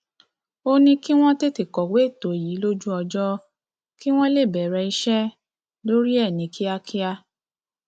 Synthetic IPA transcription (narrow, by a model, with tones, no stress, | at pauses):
o˧nĩ˧ki˦w̃ɔ̃˦te˦ti˨kɔ˨we˨˦˨to˨ji˨˦lo˦d͡ʒu˦ɔ˧d͡ʒɔ˦ | ki˦w̃ɔ̃˦le˦˨bɛ˨ɾɛ˧i˧ʃɛ˦ | lo˦ɾi˦ɛ˦˨nĩ˨ki˦a˧kʰi˦a˧